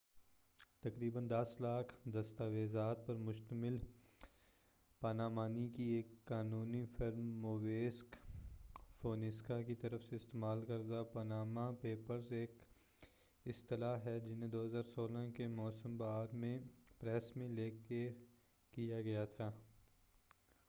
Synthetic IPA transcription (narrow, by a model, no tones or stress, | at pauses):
t̪ɐkɾiːbənd̪ɐslaːkʰd̪ɐst̪aːʋeːzaːt̪̚pɐɾmʊʃt̪əmɪl | pɐnaːmaːnikieːkːaːnũːnifɪɾmːoʋeːsk | foːnɪskakit̪ɐɾəfseɪst̪eːmaːlkɐɾd̪apɐnaːmapeːpəɾzeːk | ɪst̪ɪlaːɦɛd͡ʒɪnẽd̪oːɦɐzaːɾsoːlãkemɔːsəmbaːɾmẽpɾɛːsmẽleːke | kijaɡɐjat̪ʰaː